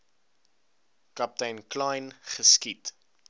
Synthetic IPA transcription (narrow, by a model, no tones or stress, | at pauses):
kɐp̚təjnklɐjnχəskit